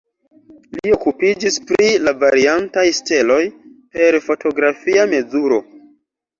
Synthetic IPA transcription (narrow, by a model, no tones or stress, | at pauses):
lio̞kupid͡ʒispɾilavaɾiantajste̞lo̞jpe̞ɾfo̞tʰo̞ɡɾafiame̞zuɾo̞̰